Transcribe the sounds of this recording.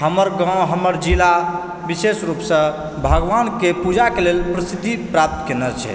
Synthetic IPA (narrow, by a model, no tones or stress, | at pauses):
ɦəməɾɡãɦəməɾd͡ʒila | bisesɾupsə̃ | bʱəɡʋankepud͡ʒakelelpɾisit̪ːipɾap̚t̪kenət͡ʃʰɛ̰